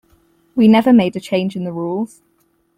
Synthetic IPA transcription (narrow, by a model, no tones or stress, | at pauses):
winɛvəmeɪdət͡ʃʰẽɪ̃nd͡ʒɪ̃nðəɹuːlˠz̥